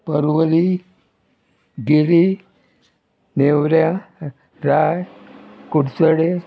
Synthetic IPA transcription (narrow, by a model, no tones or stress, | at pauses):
pəɾʋəɾi | ɡiɾi | newɾjã | ɾajkuɽsəɽe